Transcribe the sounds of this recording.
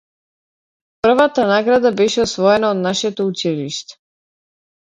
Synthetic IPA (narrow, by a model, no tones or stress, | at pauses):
pr̩vat̪anaɡɾad̪abɛʃɛɔsvɔɛnaɔd̪naʃɛt̪ɔut͡ʃiliʃt̪ɛ̥